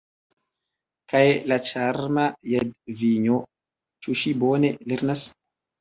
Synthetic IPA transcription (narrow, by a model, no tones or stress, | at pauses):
kajlat͡ʃaɾmajedviɲo | t͡ʃuʃiboneleɾnas